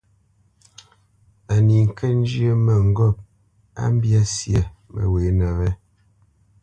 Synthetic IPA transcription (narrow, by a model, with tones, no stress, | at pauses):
a˨ni˨ŋ̩˨kʰɛ˦n̩˦d͡ʒjə˦mɛ˨ŋ̩˦ɡɔ˦˨p̚ | a̰˦m˦bja˦sja˨mə̰˨weː˨˦nɛ˨vɛ˦